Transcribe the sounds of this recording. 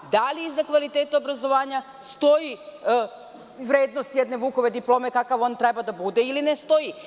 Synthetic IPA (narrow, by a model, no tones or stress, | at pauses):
d̪aliːzːakʋalit̪eːt̪eobɾazoʋaːɲa | st̪o̞ji | ʋɾeːd̪nost̪jɛd̪neʋuːkoʋed̪iplˠo̞mekakaʋo̞nt̪ɾebad̪abud̪ɛilinest̪oji